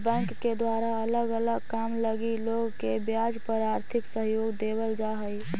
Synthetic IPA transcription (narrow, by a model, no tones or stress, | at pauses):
bɛ̃ŋkːed̪waɾaələɡələɡkamləɡiloɡkebjad͡ʒpəɾaɾt̪ʰiksəɦjoɡd̪eβəld͡ʒaɦəj